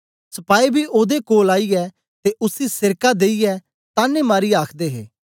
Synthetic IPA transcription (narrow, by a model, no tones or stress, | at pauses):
səpaːiːbʱiːʔoːd̪ekoːlaːiːɛː | t̪eːʔʊsiːsɪɾkaːd̪eːiɛː | t̪aːnẽːmaːɾiːaːkʰd̪eːɦeː